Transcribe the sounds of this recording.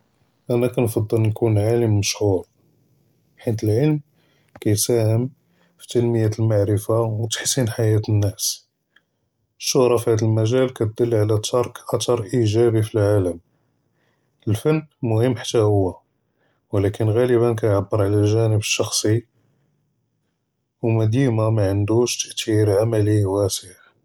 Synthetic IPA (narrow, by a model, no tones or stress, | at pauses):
ʔænækænfɑd̪ˤːəlnkunʕaləmːəʃhuɾ | ħit̪əlʕəlm | kæjt̪sæhəm | fi̥t̪ənməjæt̪əlmaʕɾəfawt̪ə̥ħsinħajæt̪ənːæs | əʃːʊhɾˤɑfihæd̪əlmæʒælkæt̪̚d̪əlːʕalæt̪ʰɑɾˤkʔɑt̪ɑɾˤʔiʒæbifilʕaləm | əlfænːmʊhəmːħḁt̪ːæhʊwːæ | wlækənɣæləbænkæjʕabːəɾʕalælʒænəbəʃːɑxsˤi | wmæd̪imamæʕənd̪uʃt̪əʔt̪iɾʕamæliwæsəʕ